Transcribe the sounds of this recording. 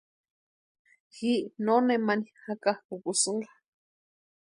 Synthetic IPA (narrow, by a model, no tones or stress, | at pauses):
xiʔnonemanihakahkukusɨŋla